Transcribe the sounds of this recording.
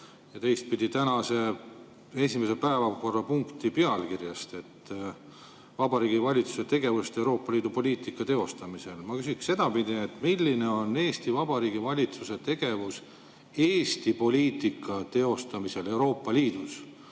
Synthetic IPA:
jɑt̪e̞jst̪̚pid̪it̪ænɑse̞ | e̞sʲimesepæevɑko̞rːɑpuŋkt̪ipe̞ɑlkirjɑst̪e̞t̪ː | vɑbɑɾiːɡ̥ivɑlʲit̪su̥se̞t̪e̞ɡ̥e̞vust̪e̞wɾo̞ːpːɑliːd̪̥upo̞lʲiːt̪ˑikːˑɑt̪e̞o̞st̪ɑmise̞lmɑkysiksse̞d̪̥ɑpid̪iet̪ːmilːine̞o̞nːe̞ːst̪ivɑb̥ɑɾiːɡ̥ivɑlʲit̪suse̞t̪e̞ɡ̥e̞vus | e̞ːst̪ipo̞lʲiːt̪ˑikːˑɑt̪e̞o̞st̪ɑmise̞le̞wɾo̞ːpːˑɑliːd̪̥us

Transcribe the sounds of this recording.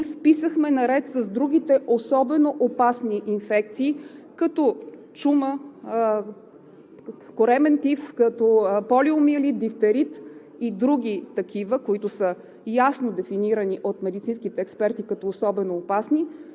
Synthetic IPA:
fpisəxmɛnɐɾɛt̪səzd̪ɾuɡʲit̪ɛʔosɔbɛnoʔopasniʔinfɛk̚t̪siːkɐt̪ɔ | t͡ʃumə | koɾɛmɛnt̪ifskət̪ɔpɔliʊmiəlid̪ift̪ɛɾit̪ | id̪ɾuɡ̟ʲit̪ɐkʲivəkoit̪ʊsə | jasnod̪ɛfiniɾəniʔot̪mɛd̪it̪sinskit̪ɛːkspɛɾt̪ikɐt̪ɔːsɔbɛnoːpasni

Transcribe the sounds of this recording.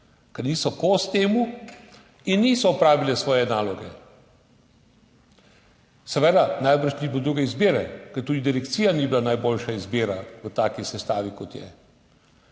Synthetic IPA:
kɛɾniːsɔkost̪eːmu | inːiːsɔːpɾaːʋilɛsʋɔːjɛnaːlɔɡɛ | sɛʋɛd̪anajbəɾʃniblod̪ɾuːɡɛizbeːɾɛkɛɾt̪uːd̪id̪iɾɛkt̪siːjaniːbilanajboːlʃaizbeːɾaʋət̪aːkisɛst̪aːʋikɔt̪jɛ̰

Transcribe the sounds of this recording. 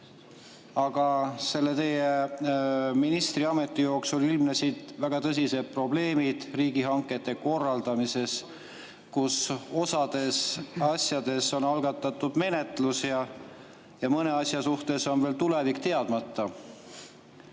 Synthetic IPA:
ɑɡ̥ɑse̞lːe̞t̪e̞je | minist̪riɑme̞t̪ːˑijo̞ːksulilmnesiːt̪væɡ̥ɑt̪ɤs̬ʲise̞d̪̥̚pro̞ble̞ːmid̪̥riːɡ̥iɦɑŋkːˑe̞t̪ːˑe̞ko̞rːɑld̪ɑmise̞s | kuso̞sɑd̪̥e̞sɑsʲjɑd̪̥e̞so̞nɑlɡɑt̪ːˑɑt̪ːˑud̪̥me̞ne̞t̪lusjɑ | jɑmɤne̞ɑsʲjɑsuht̪e̞so̞nve̞ːlt̪ule̞vikt̪e̞ɑd̪̥mɑt̪ˑːɑ

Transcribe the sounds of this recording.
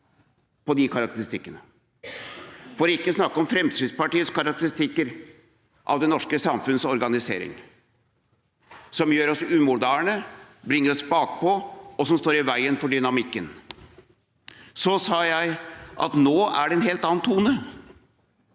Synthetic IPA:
pʰɔd̪ɪkʰɑɾɑk̚t̪əɾɪst̪ɪkːənə | fɔɾɪkːəsnɑkːɔmfɾɛmst̪ɾɪd̪spɑʈiːəskɑɾɑk̚t̪əɾɪst̪ɪkːəɾ | ʔɑ̰ʋd̪ɛnɔʂkəsɑmfʉnsɔɾɡɑnɪsḛːɾɪ̰ŋ | sɔmjøːɾɔsʉːmʊd̪æːɳəbɾɪŋːəɾɔsbɑːk̚pʰɔɔsɔmst̪oːɾɪʋæɪənfɔɖʏnɑmɪkːən | sɔsɑːjæɪʔɑ̰t̪noːæɖɛɛnɦeːlt̪ɑːnt̪ʰuːnə

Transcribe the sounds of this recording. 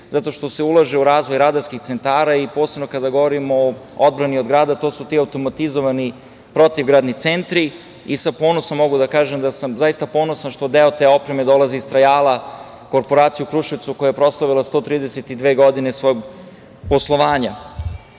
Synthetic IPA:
zat̪o̞ʃt̪o̞se̞ulˠaʒeuɾaːzʋo̞jɾad̪aɾskixt̪se̞nt̪aːɾaipo̞ːsebno̞kad̪aɡo̞ʋoɾimood̪̚bɾaniod̪ɡɾaːd̪at̪o̞ːsut̪iːawt̪o̞mat̪izoʋani | pɾo̞t̪iʋɡɾaːd̪nit̪sent̪ɾi | isapo̞ːnosamːo̞ɡud̪akaːʒemd̪asamzajist̪apo̞ːnosanʃt̪od̪eot̪eːo̞pɾemed̪o̞laziist̪ɾajaːlˠa | ko̞ɾpo̞ɾaːt̪siukɾuʃiʋt̪sukojajepɾo̞slˠaʋilˠast̪o̞t̪ɾiːd̪eset̪id̪ʋeːɡo̞d̪inesʋojoɡ | po̞slˠo̞ʋaːɲa

